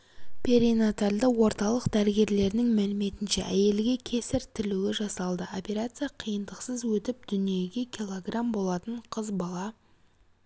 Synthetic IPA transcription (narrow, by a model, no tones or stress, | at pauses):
pʲʰeɾinat̪alʲd̪əwo̞ɾt̪ɑlˠəqd̪æɾɪɡʲe̞ɾle̞ɾnɪŋmælɪme̞t̪ɪnʃe̞̰ʔæje̞lɡʲe̞kʲʰe̞sɪɾt̪ʰɪluɪʒɑsɑlˠd̪əo̞pʲe̞ɾat̪sɨjaqʰijənd̪əqsəzwɵt̪ɪp̚d̪̥ʏnije̞ɡʲe̞kʲʰilˠo̞ɡrambo̞lˠɑt̪əɴqʰəzbɑlˠɑ